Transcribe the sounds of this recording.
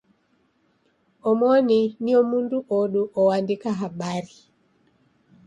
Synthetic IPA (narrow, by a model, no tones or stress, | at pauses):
ɔmɔniniɔmunduʔoɗuʔɔwandikaɦaɓaɾi